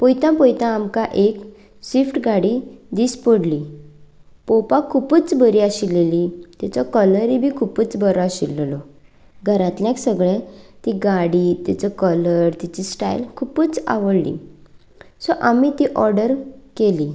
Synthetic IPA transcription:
pɔjt̪ãpɔjt̪ãːmkaʔek | sʋifʈɡaɽid̪iːspəɽli | pɔpakʰːupət͡sbəɾiaɕilːelit̪at͡ɕɔkələɾibʱiːkʰupət͡sbəɾɔaɕḭlːlɔ | ɡʱəɾãt̪ljãksəɡɭẽt̪iɡaɽiːt̪at͡sɔkələɾt̪it͡ɕisʈa̰jlkʰupət͡sa̰ʋəɽlḭ | sɔʔamit̪iʔɔɾɖəɾkeli

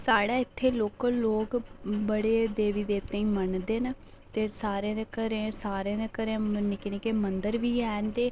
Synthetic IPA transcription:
saːɽaːɪt̪ʰːeːloːkloːkbəɽeːd̪eːʋiːd̪eːt̪ẽĩːmənd̪eːnaː | t̪eːsaːɾẽːd̪eːkəɾẽːsaːɾẽːd̪ekəɾẽːnɪkneːkeːmənd̪əɾʋiːɛːnd̪eː

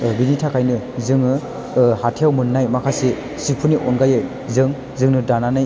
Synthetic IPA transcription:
binitʰakʰajnɯ | zɯŋɯ | hatʰijawmɯnːajmakʰasi | sipʰuniʔɔnɡajɯj | zɯŋ | zɯŋnɯdananɯj

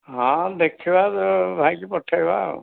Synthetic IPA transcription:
ɦãd̪ekʰibat̪ɔbʱajkipɔʈʰːaiba̰

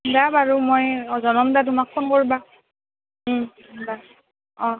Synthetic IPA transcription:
dabaɹumojzɔnɔmdat̬ʊmakʰːɔnkoɹiba | da | ɔ̃

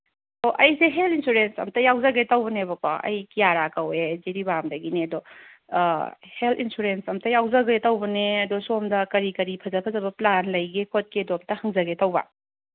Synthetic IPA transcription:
toʔɐjseɦelinsuɾensɐ̰mtɐjawzɐɡetɐwbɐnebɐko̰ɐ̰jkijaɾakɐweziɾibamdɐɡineɐdo | heltinsuɾensɐmtɐjawzɐɡetɐwbɐneɐdosomdɐkɐɾikɐɾipʰɐzɐpʰɐzɐbɐplanlɐjɡekʰot̚keɐdoɐmtɐhɐŋzɐɡetɐwbɐ̰

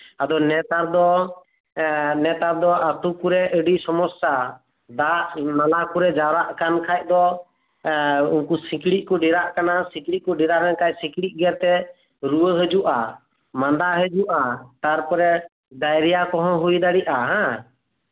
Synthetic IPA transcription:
ad̪ɔnɛt̪aɾd̪ɔ | nɛt̪aɾd̪ɔat̪ukuɾɛʔəɖisɔmɔsa | d̪aʔnalakuɾɛd͡ʒawɾaʔkankʰaj̚d̪ɔ | unkusĩkɽiʔ̚kɔɖiɾaʔkanasĩkɽiʔkɔɖiɾaɾɛnkajsĩkɽiʔ̚ˀɡɛɾt̪ɛ | ɾuwəɦəd͡ʒuʔa | mand̪aɦəd͡ʒuʔat̪aɾpɔɾɛ | d̪ajɾɛjakɔɦɔ̃ɦujd̪aɽiʔaɦã

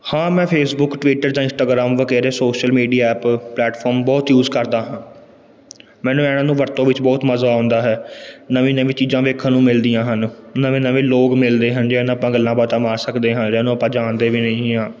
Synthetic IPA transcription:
hãːmɛ̃ːpʰeːsbʊkʈʋiːʈəɾd͡ʒãːɪ̃nsʈaːɡɾaːmʋəkɛːɾeːsoːʃəlmiːɖijaːɛːpplɛːʈpʰɔːɾmbɔːt̪juːzkəɾd̪aːɦãː | mɛ̃ːnũːɛːɽãːnũːʋəɾt̪õːʋɪt͡ʃbɔːt̪məzãːnd̪aːɦɛːnəʋĩːnəʋĩːt͡ʃiːzãːʋeːkʰaːnũːmɪld̪ijãːɦənnəʋẽːnəʋẽːloːkmɪld̪eːɦənd͡ʒeːnaːpãːɡəlːãːbət̪ãːmaːɾsəkd̪eːɦãːd͡ʒɛːnũːpãːd͡ʒaːnd̪eːʋiːnəĩːɦãː

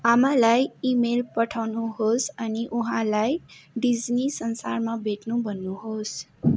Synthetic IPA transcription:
amalajimelpʌʈʰawnuɦosʌniʔuɦãlajɖid͡znisʌnsa̰rmabʱeʈnubʱʌnːuɦos

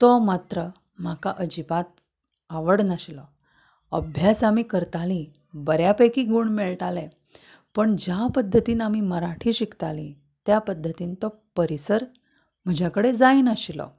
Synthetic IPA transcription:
t̪ɔmat̪ɾə | m̤akaʔəd͡ʑipat̪̚ | aʋəɽnəɕilɔ | əbʱjasamiːkəɾt̪alĩ | bəɾjapəjkiːɡuːɳmɛɭʈalɛ̃ | pəɳd͡ʑjapəd̪ʱːət̪iːnamiməɾaʈʰiːɕikt̪alĩ | t̪japəd̪ʱːət̪iːnt̪ɔ | pəɾisəɾ | m̤əd͡ʑʱjakəɽed͡zaiːnəɕilɔ̰

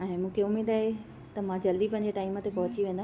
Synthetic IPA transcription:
ɛ̃ːmũːkʰeʊmeːd̪aːɦe | t̪ɐmãd͡ʑɐld̪ipɐ̃ɦɪ̃ɲ̆d͡ʑeʈaːimə̆t̪epɐɦʊt͡ɕiʋẽːnd̪a

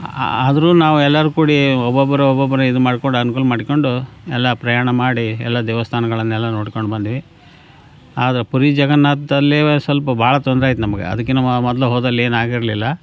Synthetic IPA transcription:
ad̪ɐɾuːnaːʋuɛlːɐɾukuːɽiɔbɐbːɐɾeɔbɐbɐɾeid̪umaːɽikoɳɖɐnukuːlɐmaːɽko̞ɳɖuɛlːɐpɾɐjaːɳɐmaːɽiɛ̰lːɐd̪ɛːʋɐst̪ʰaːnɐɡɐɭɐnːɛlːɐno̞ːɽkoɳɖbɐnd̪iʋi | aːd̪ɐɾepuɾid͡ʒɐɡɐnːaːt̪d̪ɐlːisʋɐlpɐbʱaːɭɐt̪ɔnd̪ɾaːjit̪̬unɐmɐɡḛɐ̰d̪ɐkːenɐmːɐmɔd̪luɦoːd̪ɐlːe̞ːnaːɡiɾɐlilːɐ

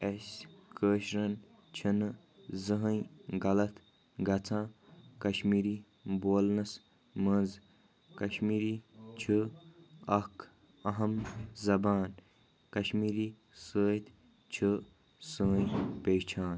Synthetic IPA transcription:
esʲkʰəːʃɾɐn | t͡ʃʰin | zəɦɐ̃jɡɐlɐt̪ʰ | ɡɐt͡sʰãːkɐʃmiːɾiː | boːlnɐs | mənz | kɐʃmiːɾit͡ʃʰɨ | ɐkʰ | ɐɦɐmzɐbaːn | kɐʃmiːɾiː | səːjt̪ʰ | t͡ʃʰɨ | səɦə̃ĩpeːt͡ʃʰaːn

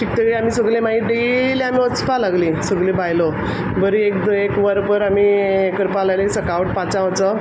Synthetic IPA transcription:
ʈʰik̚t̪əɡiamisəɡlẽmaiɖelamiɔt͡spalaɡlĩsəɡlẽbajlo | bəɾiek̚d̪ekʋəɾbəɾamiekəɾpalajlẽsəkawuʈ̚pat͡sãʋt͡sə

